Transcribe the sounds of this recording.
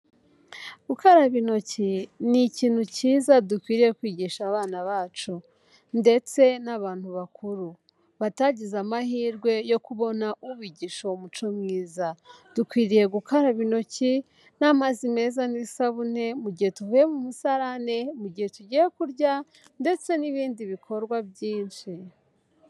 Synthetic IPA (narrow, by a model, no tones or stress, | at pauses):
ɡ̥ukaɾaβino̞ciniciːn̥huciːzadukwiːɾije̞kwiːɟiʃaːβaːnaβaːt͡ʃu | nde̞t͡se̞naβaːn̥huβakʰuɾu | βataːɟizamahiːɾɡwe̞jo̞kuβo̞naʔuβiːɟiʃo̞umut͡ʃo̞mŋiːza | d̥ukwiːɾije̞ɡukaɾaβino̞ci | namazime̞ːzanisaβun̥e̞muɟihe̞tuhujemumusaɾane̞muɟihe̞tuɟijekuɾɟa | nde̞t͡se̞niβiːndiβikʰo̞ɾɡwabjiːnʃi